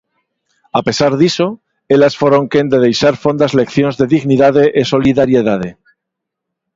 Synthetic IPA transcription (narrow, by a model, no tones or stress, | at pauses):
ape̞saɾðiso̞ | elasfo̞ɾo̞ŋkend̪e̞ð̞e̞jsaɾfo̞nd̪azle̞kθjo̞nzðe̞ðiɣniðaðe̞ʔeso̞liðaɾje̞ðað̞e̞